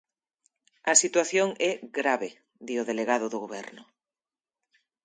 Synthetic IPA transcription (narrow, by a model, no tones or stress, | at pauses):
ɐsit̪waθjoŋʔɛɣɾaβe | ðioðeleɣaðʊðʊɣoβɛɾnʊ